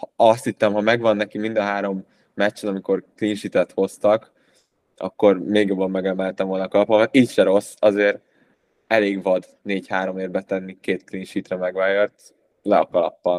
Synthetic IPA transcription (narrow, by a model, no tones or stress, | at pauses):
hɒst̪hit̪ːɛmɦɒmɛɡvɒnːɛkimind̪ɒɦaːɾo̞mː | ɛt͡ʃːɛnɒmiko̞rklinʃit̪ɛt̪ho̞st̪ɒk | ɒ̰kːo̞rmeːɡjo̞bːɒmːɛɡɛmɛlt̪ɛɱvolnɒkɒlɒpɒkɒt̪iːcʃɛɾo̞sːɒzeːɾ | ɛleːɡvɒd̪ | neːɟhaːɾo̞meːvbɛt̪ɛnːikeːt̪klinʃit̪rɛmɛɡʋaːjørt̪ | lɛɒkɒlɒ̰pːɒn